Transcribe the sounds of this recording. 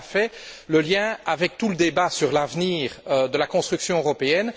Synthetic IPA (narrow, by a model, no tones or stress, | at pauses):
fɛləljɛ̃avɛk̚t̪uləd̪ebasyʁlavniːʁød̪əlakɔ̃st̪χyksjɔ̃øʁɔpeɛn